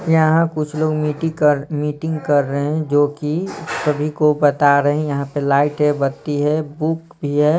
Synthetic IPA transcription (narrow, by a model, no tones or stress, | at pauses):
jɐɦãkʊt͡ʃʰloːɡmiːʈɪəɾmiːʈɪ̃ŋɡkɐɾːəɦeɛ̃d͡ʒoːkisɐbʱikobɐt̪aɾɐɦɛ̃jɐɦãpelaːɪʈɦɛbɐt̪iɦɛbuk | bʱiɦɛː